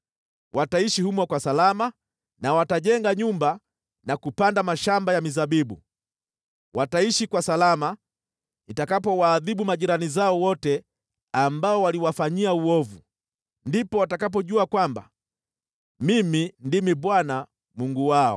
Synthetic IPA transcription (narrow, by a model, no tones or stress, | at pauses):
wʔataiʃihumwakwasalama | nawataʄɛŋɡaɲumba | nakupandamaʃambajamizaɓiɓu | wʔataiʃikwasalama | itakapɔwaːðiɓumaʄiɾanizaɔwɔtɛ | ambaɔwaliwafaɲiauɔvu | ndipɔwatakap̬ɔʄuakwamba̰ | mimindimiɓwana | muŋɡuwaɔ̰